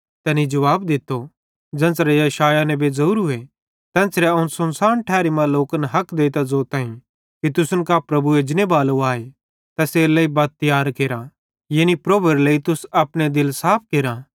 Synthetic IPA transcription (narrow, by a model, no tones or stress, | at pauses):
t̪ɛːnid͡ʒɐʋaːbd̪ɪt̪ːo | d͡ʒɛ̃ːsɾejɐʃaːjanɛ̃bezɐɾuːɾɦʊe | t̪ɛ̃ːnsɾɛɐʊnsɐnsaːɾɳʈʰɛːɾimɐ̃loːknɦɐkd̪eːt̪azoːt̪aːĩ | kit̪ʊsʊnkapɾɐbued͡ʒɪnebaːloaːe | t̪ɛːselɐibat̪̚t̪ːɪjaːɾkeːɾa | jeːnipɾoːbəɾləit̪ʊsɐpɽ̃ed̪ɪlsaːp̚ʰkeːɾa